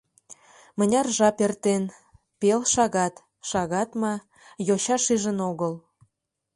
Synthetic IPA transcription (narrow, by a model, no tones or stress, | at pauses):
mə̆nʲɑrʒɑpert̪en | pelʃɑɣɑt̪ | ʃɑɣɑt̪mɑ | joɕɑʃiʒənoɣəl